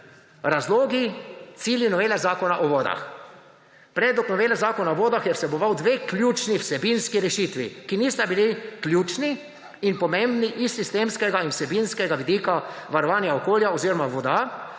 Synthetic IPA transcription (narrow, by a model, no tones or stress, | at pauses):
ɾazloːɡit̪siːljinɔʋeːlɛzaːkɔnaʔoʋɔːd̪a̰x | pɾɛd̪ɔknɔʋeːlɛzaːkɔnaoʋoːd̪axjɛwsɛbɔʋawd̪ʋeːklʲjuːt͡ʃniwsɛbinskiɾɛʃiːt̪ʋḭkiniːst̪abiliklʲjuːt͡ʃni | inpɔmẽmbniʔisːist̪eːmskɛɡainwsɛbinskɛɡaʋid̪iːkaʋaɾɔʋaːnjaokoːljaoziːɾɔmaʋɔd̪a